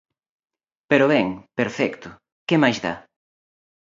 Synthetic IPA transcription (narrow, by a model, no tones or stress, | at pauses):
peɾoβɛŋpeɾfɛkt̪ʊ | kemajzða̰